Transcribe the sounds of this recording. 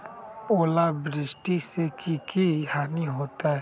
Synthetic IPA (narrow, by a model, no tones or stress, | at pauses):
oːlabɾɪsʈisekikiɦaːniɦoːt̪aɦɛː